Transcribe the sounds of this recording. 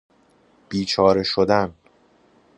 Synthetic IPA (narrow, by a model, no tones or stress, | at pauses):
b̥iːt͡ʃʰɒːɾe̞ʃod̪æn